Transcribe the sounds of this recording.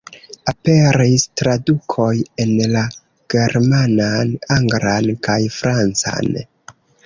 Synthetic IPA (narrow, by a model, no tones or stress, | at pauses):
ape̞ɾistɾadukʰo̞je̞nla | ɡ̥e̞ɾmananaŋɡɾankajfɾant͡sa̰n